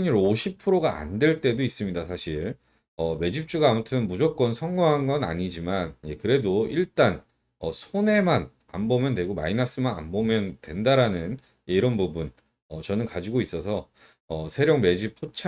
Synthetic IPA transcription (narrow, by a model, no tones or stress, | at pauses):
ɲiɾoɕʰipʰɯɾoɡaa̰ndwe̞ɭt͈e̞dois͈ɯmɲidasʰaɕʰiɾ | ʌme̞d͡ʑip̚t͡ɕ͈uɡaːmutʰɯnmud͡ʑok͈̚ʌnsʰʌŋɡoŋɦanɡʌna̰ɲid͡ʑimanjekɯɾe̞doiɭt͈an | ʌ̰sʰone̞man | a̰nbomjʌndwe̞ɡoma̰inas͈ɯmana̰nbomjʌndwe̞ndaɾanɯn | jeiɾʌnbubun | ʌt͡ɕʌnɯnkad͡ʑiɡois͈ʌsʰʌ | ʌsʰe̞ɾjoŋme̞d͡ʑipʰot͡ɕʰ